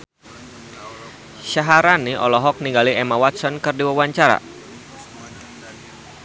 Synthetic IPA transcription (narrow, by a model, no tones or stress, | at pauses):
ʃaɦaɾaniʔɔ̰lɔɦɔk̚niŋɡaliʔɛmawat̪sɔnkɨrdiwawaɲt͡ʃaɾa̰